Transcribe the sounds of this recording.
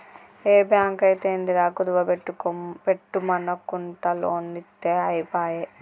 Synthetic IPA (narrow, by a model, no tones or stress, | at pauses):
eːbjaːŋkɐjit̪end̪iɾaːkud̪uʋɐpeʈːukopeʈːumɐnɐkːuɳʈɐloːnːit̪ːeːɐjpaːje